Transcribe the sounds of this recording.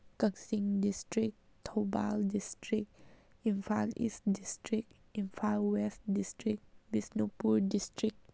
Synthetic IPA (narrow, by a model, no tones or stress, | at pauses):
kəksĩŋdistɹik̚ | tʰoba̰ldistɹik̚ | ĩnfalḭsdistɹik̚ | ĩnfalwɛstdistɹik̚bisnopuldistɹik̚